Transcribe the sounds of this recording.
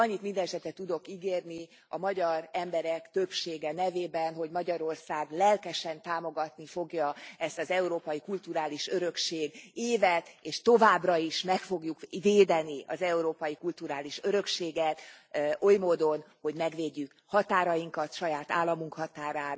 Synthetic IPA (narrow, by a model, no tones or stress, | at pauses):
ɒɲːit̪mind̪ɛnɛʃɛt̪ɛt̪ːud̪o̞kiɡeːrni | ɒmɒɟɒrɛmbɛɾɛkt̪ø̞pʃeːɡɛnɛveːbɛnɦo̞ɟmɒɟɒɾo̞rsaːɡlɛlkɛʃɛnt̪aːmo̞ɡɒt̪nifo̞ɡjɒɛst̪ɒzɛuɾoːpɒjikult̪uɾaːliʃøɾø̞kʃeːɡeːvɛt̪eːʃt̪o̞vaːbrɒiʃmɛkfo̞ɡjukveːd̪ɛniɒ̰zɛuɾoːpɒjikult̪uɾaːliʃøɾø̞kʃeːɡɛt̪ | ʔo̞jmoːd̪o̞nho̞ɟmɛɡʋeːɟːyk | hɒt̪aːɾɒjiŋkɒt̪ʃɒjaːt̪a̰ːlːɒmuŋkhɒt̪aːɾaː